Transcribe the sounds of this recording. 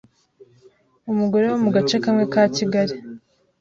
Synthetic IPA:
umuɡo̞ɾewomuɡat͡ʃekamŋe̞kaːciɡaɾi

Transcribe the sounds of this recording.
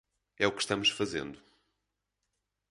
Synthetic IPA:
ɛukʃt̪ɐmuʃfɐzḛ̃nd̪u

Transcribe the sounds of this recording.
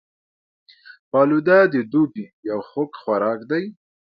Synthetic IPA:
pɑlud̪ad̪əd̪ubijawxokxwaɾɑːkd̪aj

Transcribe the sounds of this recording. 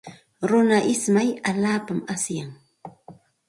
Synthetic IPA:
ɾʊnaʔɪsmajaʎaːpamasjaŋ

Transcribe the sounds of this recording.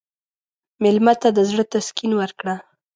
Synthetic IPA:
mɪlmat̪ad̪əzɽət̪askinwəɾkɽa

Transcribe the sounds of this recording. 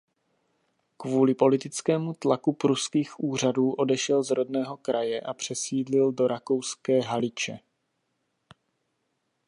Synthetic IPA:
kvuːlɪpo̞lɪt̪ɪt͡skɛːmut̪lakupɾuskiːxʔuːr̝aduːʔo̞dɛʃɛlzɾo̞dnɛːɦo̞kɾʔajɛʔapr̝̥ɛsiːdlɪldo̞ɾako̞wskɛːɦalɪt͡ʃɛ

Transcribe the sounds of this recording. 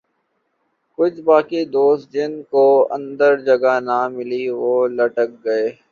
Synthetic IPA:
kʊt͡ʃʰbaːkid̪oːst̪̚d͡ʒɪnkoɐ̰̃nd̪əɾd͡ʒɐɡanamɪliʋoːlɐʈək̚ɡɐeː

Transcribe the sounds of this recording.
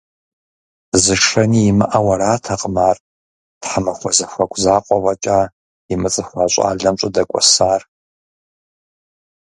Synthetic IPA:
zɨʂɐniːmɨʔawɐɾaːtʰɐqʼmaːr | tħamɐχʷɔzɐxʷɐkʷʰʼzaːqʷʼɔwɐt͡ʃʼaː | imɨt͡sʼɨfʷaɕʷʼa̰ːɮɐmt͡ʃʷʼɐdɐkʷʼɔ̰saːr

